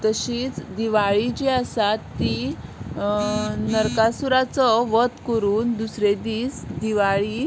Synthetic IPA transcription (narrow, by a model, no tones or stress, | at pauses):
t̪əɕiːt͡sd̪iʋaɭid͡ʑiasat̪ːi | nəɾkasuɾat͡sɔʋət̪kəɾuːnd̪usɾed̪iːt͡sd̪iʋaɭi